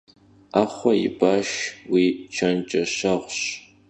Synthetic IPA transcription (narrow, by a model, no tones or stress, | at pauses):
aːχʷɔjɪ̰baːʃwiːt͡ʃʰɐnt͡ʃʼɐɕaʁʷɕ